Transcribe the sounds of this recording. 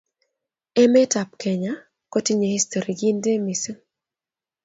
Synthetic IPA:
ɛ˦mɛ˦ta˨p̚kɛ˨ɲa˦ | ko˦ti˦ɲe˨hi˦sto˨ɾi˨ɡi˦nde˦mi˨sə˦

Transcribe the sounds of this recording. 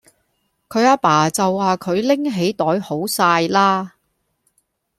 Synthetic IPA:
kʰɵ˨˧ɥaː˧paː˨˩t͡sɐ˨wːaː˨kʰɵ˨˧ɥlɪ˥ŋɦe˨˥jt̪ɔː˨˥jho˨˥wsaː˧jlaː˥

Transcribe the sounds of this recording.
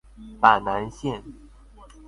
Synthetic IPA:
pa˨˩na˧˥nɕjɛ˥˩n

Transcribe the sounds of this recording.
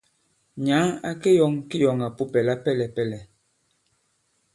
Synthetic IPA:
ɲa˨˦a˨ke˦jɔ˨ŋki˦jɔ˨ŋa˨pu˦pɛ˨la˦pɛ˦˨lɛ˨pɛ˦lɛ˨

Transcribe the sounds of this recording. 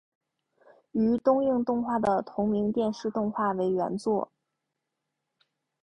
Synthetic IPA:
y˧˥t̪ʊ˥ŋjɤ˥˧ŋt̪ʊ˥˧ŋxwa˥˩d̪ə˩t̪ʰʊ˧˥ŋmi˧˥ŋt̪jɛ˥˧nʂɻ̩˥˧t̪ʊ˥˧ŋxwa˥˩we˧˥ɪɥɛ̰˧˥nt͡swɔ˥˩

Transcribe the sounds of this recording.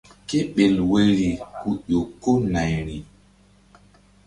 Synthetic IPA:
ke˦ɓe˨lwe˨ɾi˨hu˨ʄo˨kːo˦na˨jɾi˨

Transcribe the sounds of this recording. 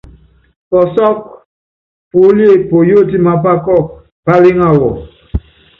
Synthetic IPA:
pɔ˨sɔ˦k̚ | po˨˦li˦e˦˨po˨jo˦˨ti˦ma˦p̬a˦kɔ˦˨k̚ | b̥a˦le˦ŋa˦˨wɔ˨

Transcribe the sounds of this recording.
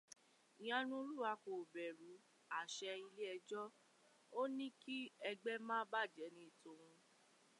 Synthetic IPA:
i˨j̃ã˨˧nũ˧˦lu˦˨a˧ko˨bɛ˨ɾu˨˦ | a˨ʃɛ˧i˧le˦ɛ˧d͡ʒɔ˦ | o˦nĩ˦ki˦ɛ˧ɡ͡bɛ˦mãː˦ba˦˨d͡ʒɛ˨˦nĩ˦i˨tõ˧˦w̃ũ˧

